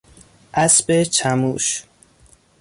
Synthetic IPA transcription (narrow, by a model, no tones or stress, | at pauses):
ʔæsbet͡ʃʰæmuːʃ